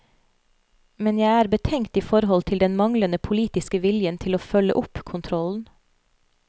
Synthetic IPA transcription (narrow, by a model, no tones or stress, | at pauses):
mɛnjæɪæːɾbət̪ʰɛŋt̪iːfɔɾhɔlt̪ʰɪld̪ɛnmɑŋlənəpʰʊliːt̪ɪskəʋɪljənt̪ʰɪloːfœlə̰ʔʊpkʰʊnt̪ʰɾɔln̩